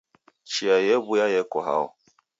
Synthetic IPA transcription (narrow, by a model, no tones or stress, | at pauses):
t͡ʃiajebʊjajɛkɔɦa̰ʊ